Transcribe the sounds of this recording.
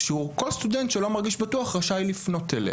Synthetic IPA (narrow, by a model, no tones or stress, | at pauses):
ʃeuko̞lst̪udentʃelo̞maʁɡiʃbatuaχʁaʃailifno̞telḛ